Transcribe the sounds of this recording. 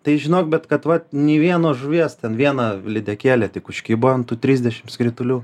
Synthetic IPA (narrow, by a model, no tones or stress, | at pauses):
t̪ɐɪʒʲɪnoːk̚bʲɛt̪kɐt̪ʋɐnʲeːʋʲiɛnoːʒʊʋʲiɛst̪ʲɛnʋʲiɛnɐlʲɪd̪ʲɛkʲeːlʲɛtʲɪkʊʃʲkʲiːboɐnt̪uːt̪ʲɾʲiːzʲd̪ʲɛʃʲɪmskɾʲɪt̪ʊlʲuː